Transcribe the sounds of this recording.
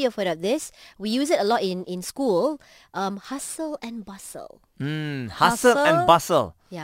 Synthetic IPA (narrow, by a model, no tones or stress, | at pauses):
əfoɾat̚d̪ɪswijusɪtəlɔtɪ̃nɪ̃nskul | ʔʌ̃mhasəlɛ̃nbasə̰l | m̩hasəlɛ̃nbasə̰l | ja